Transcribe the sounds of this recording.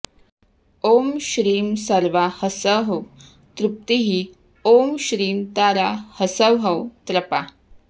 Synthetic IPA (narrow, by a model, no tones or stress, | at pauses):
omɕɾiːmsəɾʋahəsəɦəw | t̪ɾup̚t̪iɦi | omɕɾiːmt̪aɾahəsəʋɦəwt̪ɾɐpa